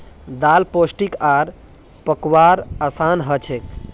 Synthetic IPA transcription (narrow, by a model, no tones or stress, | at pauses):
d̪alposʈikaɾ | pəkwaɾəsanɦət͡ʃʰek